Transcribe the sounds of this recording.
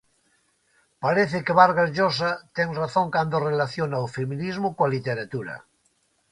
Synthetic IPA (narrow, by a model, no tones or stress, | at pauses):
paɾeθekeβaɾɣaʒos̬at̪eŋraθõŋkand̪orelaθjonaofemĩnizmokoalit̪eɾat̪uɾa̰